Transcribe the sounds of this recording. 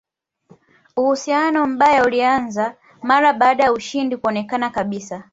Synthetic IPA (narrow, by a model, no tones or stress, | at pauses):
uhusijanɔm̩ɓajaulianza | maɾaɓaɗajauʃindikuɔnɛkanakaɓisa